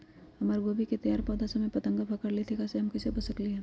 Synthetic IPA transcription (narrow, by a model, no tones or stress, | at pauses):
hɐmaːɾɡoːbiket̪ɐjaːɾpɔːd̪asɐmẽpɐt̪ə̃ŋɡabʱɐkəɾlet̪ʰikaseɦɐmkɪsebɐsəkliɦɛ̃ː